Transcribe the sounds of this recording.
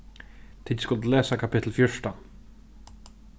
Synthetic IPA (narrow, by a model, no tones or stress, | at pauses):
t̪ʰiːt̪skʊlt̪lɛːsakʰapɪt̪l̩fjɔʂt̪a